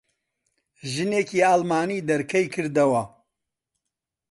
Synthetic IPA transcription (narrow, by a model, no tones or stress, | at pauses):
ʒɨneːciːaːlmaːniːd̪ɐɾkʰɐjkʰɨɾd̪ɐwɐ